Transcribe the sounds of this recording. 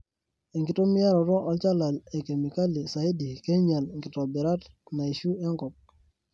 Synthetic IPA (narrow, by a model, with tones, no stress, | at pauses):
e˨ŋɡɪ˨to˦mɪ˦a˦ɾɔ˨ɾɔ˦ʔɔ˦t͡ʃa˦la˨le˨ke˨mi˨ka˦li˨sa˨jdi˨ke˦ɲa˨lŋɡɪ˨tɔ˨bɪ˨ɾa˦t | na˨i˨ʃu˦ɛ˦ŋkɔ˨k̚